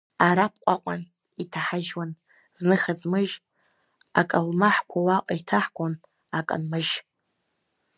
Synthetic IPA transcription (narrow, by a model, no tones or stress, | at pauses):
aɾap̚ʰqʷʼaqʷʼan | itʰaħaʒwan | znɨχad͡zʼmɨʒ | akʼalmaħkʷʰawaqʼaitʰaħkʷʼon | akʼa̰nmɨʒ